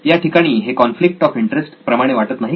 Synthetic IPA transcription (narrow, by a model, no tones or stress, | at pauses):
jaʈikaɽ̃iːɦekɔnflik̚ʈɔfiɳʈɾesʈpɾəmaɽ̃eʋaʈət̪naɦi